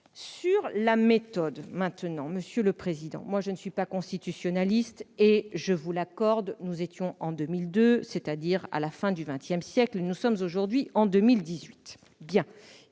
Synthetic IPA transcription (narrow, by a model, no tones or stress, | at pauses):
syʁlamet̪ɔd̪mɛ̃t̪nɑ̃məsjøləpχezid̪ɑ̰̃mwaʒənəsɥipakɔ̃st̪it̪ysjɔnalist̪eʒəvulakɔʁd̪nuzet̪jɔ̃ʔɑ̃d̪ømild̪øset̪ad̪iʁa̰lafɛ̃d̪yvɛ̃t̪jɛmsjɛklnusɔmzoʒuʁd̪ɥiʔɑ̃d̪ømild̪izɥit̪ | bjɛ̃